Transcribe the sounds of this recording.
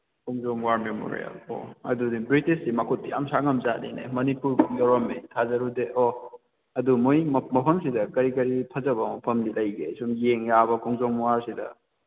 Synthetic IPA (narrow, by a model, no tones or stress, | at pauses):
kʰoŋzɔŋwaɾmemo̰ɾḭja̰lo̰ɐ̰dudibɾitissimɐkʰut̚ːijamsaŋɐmzanḭnḛmɐnipuɾjɐɾɐmetʰazɐɾudeʔɔ | ɐdumojmɐpʰɐmsidɐkɐɾikɐɾipʰɐzɐbɐmɐpʰɐmdilɐjɡesumjeŋjabɐkʰɔŋzoŋwaɾsidɐ̰